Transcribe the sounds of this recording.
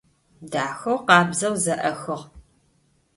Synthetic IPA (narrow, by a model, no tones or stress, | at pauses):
daːxɐwqɑːbzɐwzɐʔɐxɨʁ